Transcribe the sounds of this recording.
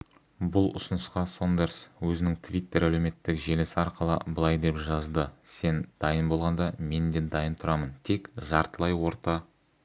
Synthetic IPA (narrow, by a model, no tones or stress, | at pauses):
bʊlˠʊ̰sʊnəsqɑsond̪eɾswɵzɪnɪŋt̪ʰvʲijt̪ːe̞ɾæleme̞t̪ːɪkʒe̞lesɪɑɾqəlˠə̰bəlˠɑjd̪e̞pʒɑzd̪əse̞nd̪̥ɑjənbo̞lˠʁɑnd̪ɑme̞nd̪e̞d̪ɑjənt̪ʰʊɾɑmənt̪ʰe̞kʒɑɾt̪əlˠɑjwo̞ɾt̪ɑ